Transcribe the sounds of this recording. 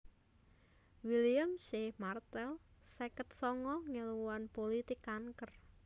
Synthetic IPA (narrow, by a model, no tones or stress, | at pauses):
wilijəmʃehmart̪ɛlsɛkət̪̚sɔŋɔŋəluwwanpolit̪ɪkaŋkər